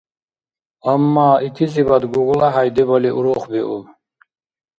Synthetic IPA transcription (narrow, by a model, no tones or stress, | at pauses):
amːaːit̪ʰizibad̪ɡuɡlaɦajd̪ɛbɔliʔuɾɔχbiʔu